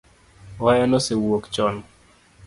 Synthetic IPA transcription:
ɔjɛnɔsewokt͡ʃɔn

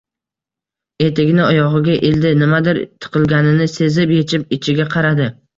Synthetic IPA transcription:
e̞t̪ʰɪɡʲnɪɒjɒʁɨɡʲaʔeld̪ɪnɪmad̪ɪɾt̪ʰːɨ̥qʰɨlˠɡʲanɪnɪse̞zɪpje̞t͡ʃʰɪp̚ɪt͡ʃʰɪɡʲaqʰɑɾad̪ɪ

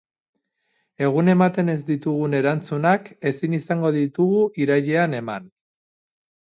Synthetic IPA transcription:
e̞ɣ̞une̞mat̪e̞ne̞zd̪it̪uɣune̞ɾant͡sunake̞sinisaŋɡo̞ðit̪uɣuʔiɾaʎe̞ane̞ma̰n

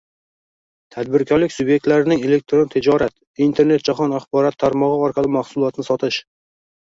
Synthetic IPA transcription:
t̪ʰad̪bɪɾkʲʰɒɾlɪkʲsʊbje̞k̚ʲt̪laɾɪnɪŋe̞le̞k̚ʲt̪ʰɾont̪ʰɪd͡ʒɒɾat̪ | int̪ʰe̞ɾne̞t̪̚d͡ʒaχɒnaχbɒɾɒt̪ʰːaɾmɒʁɨɒɾqʰɑlˠɪmaχsʊlˠɒt̪nɪsɒt̪ʰɪʃ

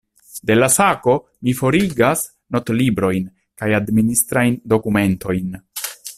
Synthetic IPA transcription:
de̞lasako̞ | mifo̞ɾiɡas | no̞tlibɾo̞jn | kajadministɾajndo̞kume̞nto̞jn

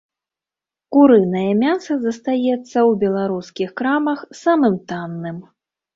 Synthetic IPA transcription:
kuɾɨnɐjɐmʲasɐzɐst̪ajɛt̪sːɐwbʲɛlˠaɾuskʲixkɾamɐxsamɨmt̪anːɨm

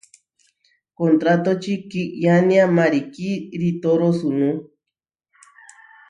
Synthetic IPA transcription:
kont̪ɾat̪ot͡ʃikiʔjaniamaɾikiɾit̪oɾosunũ

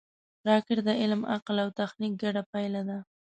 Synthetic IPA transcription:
ɾɑkɪɾd̪əɪlma̰qlawt̪axnik̚ɡaɽapajlad̪a

